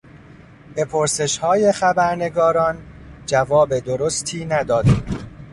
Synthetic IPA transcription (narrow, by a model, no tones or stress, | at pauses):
b̥e̞pʰoɾse̞ʃhɒːje̞xæbæɾne̞ɡɒːɾɒːnd͡ʒævɒːbe̞d̪oɾost̪ʰiːnæd̪ɒːd̪i